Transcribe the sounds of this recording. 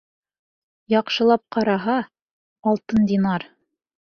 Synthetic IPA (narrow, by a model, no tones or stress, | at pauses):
jɑqʃɤ̆lˠɑp̚qɑɾɑɦɑː | lˠt̪ɤnd̪ʲinɑɾ